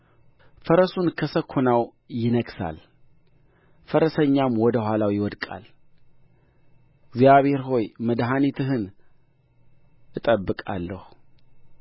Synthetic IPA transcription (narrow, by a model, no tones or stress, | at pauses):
fəɾəsunkʰəsəkʰːonaw | jɪnəɡsa̰l | fəɾəsəɲːamwɔd̪əhʷwʷalawjɪwɔd̪kʼa̰l | ɡzijaβhe̞ɾɦo̞jməd̪ɦanit̪ʰɨɦɨn | ʔɨt̪ʼəbːɨkʼa̰lːəhu